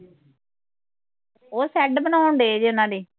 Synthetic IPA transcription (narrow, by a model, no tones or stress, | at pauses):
oːsɛːɖbənaːʊɳd̪eːd͡ʒeʊnãːd̪eː